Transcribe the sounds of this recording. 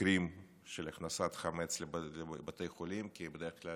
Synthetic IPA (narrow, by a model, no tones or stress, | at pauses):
ɾim | ʃelaχnasat̪χamet͡sllebat̪ejχolimkibed̪eɾekla